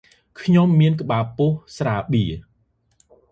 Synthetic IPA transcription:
kʰɲomːiənkə̆ɓaːpuəhsraːɓiə

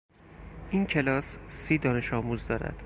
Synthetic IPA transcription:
ʔincʰe̞lɒːssiːd̪ɒːne̞ʃɒːmuːzd̪ɒːɾæ̰d̪̥

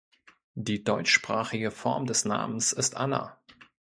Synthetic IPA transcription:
d̥iːdɔʏt͡ʃʃpʁ̥aːχɪɡəfɔɐmdɛsna̰ːmən̩sɪstʔa̰nɐ̰

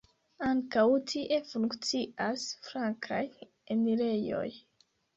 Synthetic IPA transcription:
aŋkawtʰiʔe̞fuŋkt͡siʔasfɾaŋkʰaj | emile̞jo̞̰j

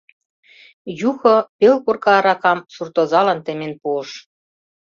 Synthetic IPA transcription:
juxŏpelkurkɑɾɑkɑmsurt̪ozɑlɑnt̪ɘ̆menpuəʃ

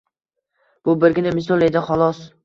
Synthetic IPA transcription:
b̥ʊbɪɾɡʲɪnamɪsɒlˠe̞d̪ɪχɒlˠɒs

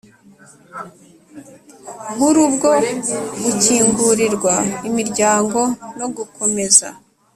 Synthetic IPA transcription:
βuɾubɡo̞ɡuciːŋɡuɾiɾɡwaimiɾɟaːŋɡo̞no̞ɡukʰo̞me̞za̰

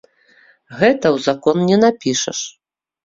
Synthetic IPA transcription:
ɣɛt̪ɐwzakɔnnʲɛnapʲiʂɐ̰ʂ

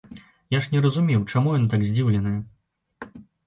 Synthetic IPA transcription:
jaʂnʲɛɾɐzumʲɛwt͡ʂamujɔnt̪aɡzʲd͡zʲiwlʲɛnɨjɛ

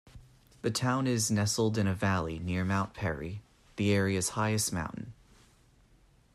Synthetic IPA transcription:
ðɨtʰãʊ̃nɪznɛsl̩ˠdɨ̃ñɨvælˠinɪɹmãʊ̃npʰɛɹḭ | ðiɛɹiɨɨz̥haɪɨstmã̰ʊ̃ʔn̩

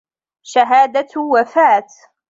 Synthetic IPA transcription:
ʃaɦaːd̪awafaːt̪

